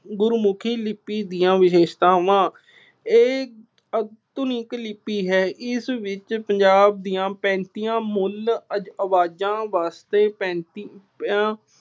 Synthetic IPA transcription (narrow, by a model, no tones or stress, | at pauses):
ɡʊɾmʊkʰiːlɪpːiːd̪iːãːʋɪʃeːʃt̪aːʋãː | eː | ət̪ʊnikəlɪpːiːɦɛːʔɪsʋɪt͡ʃpəɲd͡ʒaːb̚d̪ijãːpɛ̃ːnt̪iːjãːmʊləd͡ʒəʋaːd͡ʒãːʋaːst̪eːpɛ̃ːnt̪ipãː